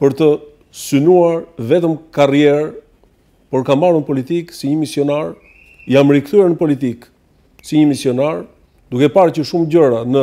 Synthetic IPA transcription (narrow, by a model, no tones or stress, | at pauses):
pəɾt̪ə | synuaɾvɛt̪əmkarjɛɾ | pɔɾkamaɾunpɔlit̪iksiɲəmisijɔnaɾ | jaməɾikθuɛɾnəpɔlit̪̬ik | siɲəmisjɔnaɾ | d̪ukɛpaɾcəʃumd͡ʑəɾanə